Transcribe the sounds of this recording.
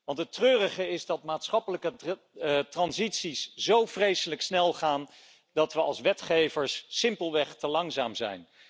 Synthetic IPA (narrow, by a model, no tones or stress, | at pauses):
ʋɑntɦətrøːrəχəɪzdɑt̚maːtsχɑpələkə | trɑnzitsisz̥owvrejsələksnɛlˠχaːn | dɑtʋəɑ̰lˠsʋɛtχejvəɹsːɪmpəlˠʋɛχtəlɑŋzaːmzɛ̰jn